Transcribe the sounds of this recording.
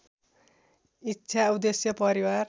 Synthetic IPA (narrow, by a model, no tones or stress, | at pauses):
itːʃʰaud̪esjʌpʌɾiwar